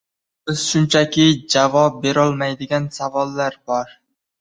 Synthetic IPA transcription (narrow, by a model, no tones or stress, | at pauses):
bɪz̥ʃʊnt͡ʃʰakʲɪd͡ʒavɒp̚be̞ɾɒlˠmajd̪ɪɡʲansavɒlˠːaɾbɒɾ